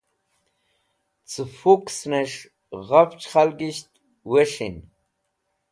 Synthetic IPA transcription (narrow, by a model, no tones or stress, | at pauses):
t͡sɨfuksneʂ | ʁaft͡ɕχalɡiɕt̪ | weʂin